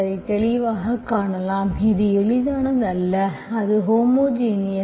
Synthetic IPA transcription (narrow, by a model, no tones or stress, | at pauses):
ɐɪt̪ɛɭɪʋaːɣɐkaːɳɐlaːmɪðɯɛɭɪðaːnɐnd̪ɐlːɐɐðɯɦoːmoːd͡ʒiːnɪjɐ